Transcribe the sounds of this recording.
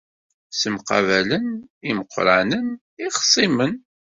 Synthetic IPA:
səmqɑ̰væləniməqːɾˤanən | iʁsˤimən

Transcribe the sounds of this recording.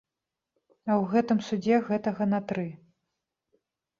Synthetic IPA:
ɐwɣɛt̪ɨmsud͡zʲɛɣɛt̪ɐɣɐnɐt̪ɾɨ

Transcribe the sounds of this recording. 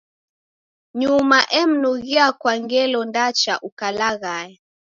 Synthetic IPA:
ɲumaʔɛm̩nuɣiakwaŋɡɛlɔndat͡ʃa̰ʔukalaɣaɛ

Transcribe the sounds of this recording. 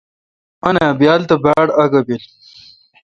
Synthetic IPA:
ɐnaːbjaːlt̪ɐbaːɽɐɡɐbil

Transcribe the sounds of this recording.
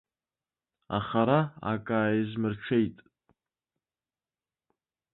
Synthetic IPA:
a̰χaɾaa̰kʼaːjizmɨrʈ͡ʂʰejtʼ

